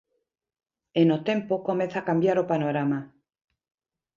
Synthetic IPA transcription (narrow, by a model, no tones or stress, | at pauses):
enot̪e̞mpokome̞nθakambjaɾopano̞ɾama